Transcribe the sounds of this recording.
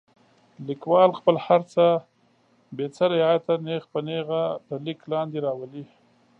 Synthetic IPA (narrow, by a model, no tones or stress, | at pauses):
likwɑlxpəlhaɾt͡sə | bet͡saɾɪɑjat̪anexpəneɣat̪əliklɑnd̪eɾɑwəli